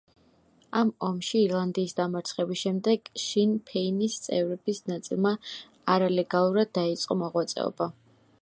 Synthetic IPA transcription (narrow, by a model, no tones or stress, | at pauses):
amɔmʃiːɾlˠand̪iːsd̪amaɾt̪sʰχɛbisʃɛmd̪ɛɡ̥ʃinpʰɛinist̪sʼɛ̰vɾɛbisnat̪sʼḭlˠma | aɾalɛɡalˠuɾad̪ːait̪sʼqʼɔmɔʁwat̪sʼɛ̰ɔ̰ba